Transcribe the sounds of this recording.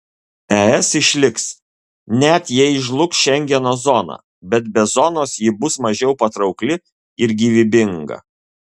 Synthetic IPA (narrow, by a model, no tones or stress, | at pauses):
ɛɛsɪʃʲlʲɪks | nʲɛt̪jɛɪʒlˠʊksʃʲɛŋʲɡʲɛnoːzɔnɑ̰ː | bʲɛt̪̚bʲɛzɔnoːsjɪbʊsmɐʒʲɛʊpɐt̪ɾɒʊklʲɪ | ɪɾɡʲiːʋʲɪbʲɪŋɡɐ̰